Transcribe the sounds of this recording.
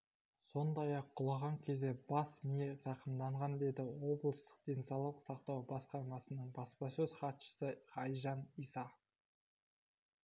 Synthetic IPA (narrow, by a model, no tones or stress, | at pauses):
so̞nd̪ɑjɑqʰːʊlˠɑʁɑŋkʲʰe̞zd̪e̞bɑsmijezɑqəmd̪ɑɴʁɑnd̪e̞d̪ɪwo̞blˠəst̪ə̥qd̪̥e̞nsɑwlˠəqsɑqt̪ɑwbɑsqɑɾmɑsənəɴbɑspɑsɵz̥χɑt̪ʃə̥səχɑjʒɑnijsɑ